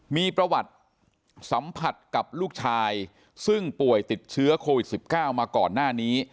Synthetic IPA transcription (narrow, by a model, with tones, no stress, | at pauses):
miː˧pɾa˧wa˨˩t̪̚ | sa˩˦mpʰa˨˩t̪̚ka˨˩p̚luː˥˩k̚t͡ɕʰaː˧j | sɯ˥˩ŋpu˨˩əjt̪i˨˩t̪̚t͡ɕʰɯ˦˥ɐkʰoː˧wi˨˩t̪̚si˨˩p̚kaː˥˩wmaː˧kɔː˨˩nːaː˥˩niː˦˥